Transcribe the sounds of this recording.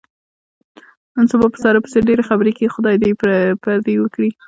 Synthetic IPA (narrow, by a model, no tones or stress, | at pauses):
ansubɑpə̥sɑɾapə̥seɾɖeɾexabɾekixʊd̪ɑjd̪epaɾd̪iwəkɽi